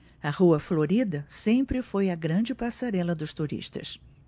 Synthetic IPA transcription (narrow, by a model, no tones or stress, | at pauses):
ɐhuɐfloɾid̪ɐsẽmpɾɪfojɐɡɾɐ̃d͡ʒɪpasaɾɛlɐd̪ʊst̪uɾḭʃt̪ɐ̰s